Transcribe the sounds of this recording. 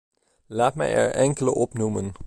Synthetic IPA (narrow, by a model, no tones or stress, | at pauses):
laːtmɛ̰jɛ̰ɹʔɛŋkələʔɔpnumən